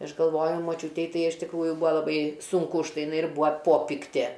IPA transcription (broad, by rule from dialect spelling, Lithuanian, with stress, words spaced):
ˈɐʃ ɡɐlˠˈʋoːjʊ moːˈt͡ʃʲuːtʲɛɪ ˈtɐɪ ɪʃ tʲɪkˈruːjʊ ˈbuːɐ lˠɐˈbɐɪ ˈsʊŋkʊ ʊʃ ˈtɐɪ jɪˈnɐɪ ɪr ˈbʊɐ ˈpoːpʲɪktʲeː